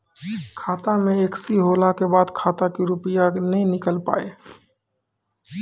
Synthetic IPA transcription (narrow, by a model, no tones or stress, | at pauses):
kʰaːt̪ameeksiɦolakebaːd̪kʰaːt̪akiɾʊpijanəĩnɪkəlpa̰ːe